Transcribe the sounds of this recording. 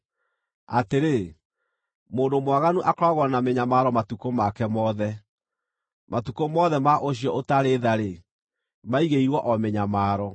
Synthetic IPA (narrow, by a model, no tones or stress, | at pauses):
a̰teɾe | moːndomwaɣanuʔakɔɾɔɣwɔnameɲamaɾɔmatukomakɛmɔðɛ | mʔatukomɔðɛmaʔoɕjɔʔotaɾeðaɾe | maiɣeiɾwɔʔɔmeɲamaːɾɔ